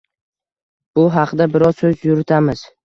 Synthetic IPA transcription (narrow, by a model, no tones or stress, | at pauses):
b̥ʊɦɑqd̪abɪɾɒz̥sɵzjʊɾɪt̪ʰamɪz̥